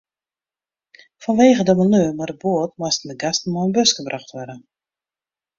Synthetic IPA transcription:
fɔnʋeːɣədəmənøəmadəboətmɔstn̩dəɡastn̩əmɔənbøskəbraxχtʋɔdə

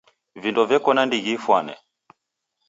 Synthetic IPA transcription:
vindɔvjɛkɔnandiɣifwanɛ̰

